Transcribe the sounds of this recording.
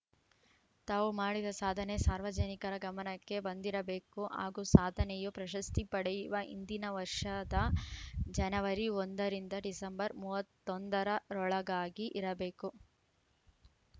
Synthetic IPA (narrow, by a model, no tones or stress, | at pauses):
t̪aːʋumaːɽid̪ɐsaːd̪ʱɐnesaːɾʋɐd͡ʒɐnikɐɾɐɡɐmɐnɐkːe̞bɐnd̪iɾɐbe̞ːkuɦa̰ːɡuːsaːd̪ʱɐnɛjupɾɐʃɐst̪ipɐɽɛjuʋɐʔḭnd̪inɐʋɐɾʂɐd̪ɐ | d͡ʒɐnɐʋɐɾiond̪ɐɾind̪ɐɖisɐmbɐɾmuːʋɐt̪ːond̪ɐɾɐɾɔɭɐɡaːɡiʔiɾɐbe̞ːku